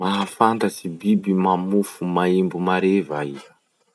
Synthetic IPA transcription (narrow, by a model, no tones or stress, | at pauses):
maafant̪asibibimamufumaimbumaɾevaizḁ